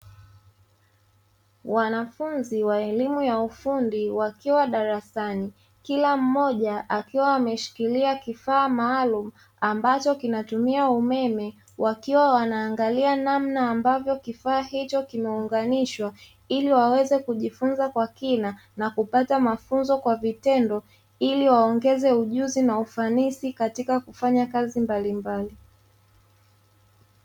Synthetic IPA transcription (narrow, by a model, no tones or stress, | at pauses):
wanafunziwaɛlimujaufundiwakiwaɗaɾasani | kilam̩mɔʄaʔakiwaːmɛʃi̥kiliakifaːmaːlumu | ambat͡ʃɔkinatumiaumɛmɛ | wʔakiwawanaːŋɡalianamnaːmbavjɔkifaːhit͡ʃɔkimɛuŋɡaniʃwa | iliwawɛzɛkuʄifunzakwakina | nakupatamafunzɔkwavitɛndɔ | iliwaɔŋɡɛzɛuʄuzinaufanisikatikakufaɲakazimbalimbali